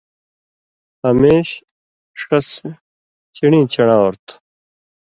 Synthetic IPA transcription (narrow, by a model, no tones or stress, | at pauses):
ɐmeːɕ | ʂɐs | t͡ɕiɽĩːt͡ɕɐɽaːoɾt̪ʰ